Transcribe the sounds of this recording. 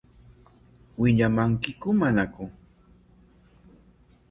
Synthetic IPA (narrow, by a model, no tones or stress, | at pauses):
wɪʎamaŋkɪkʊmanakʊ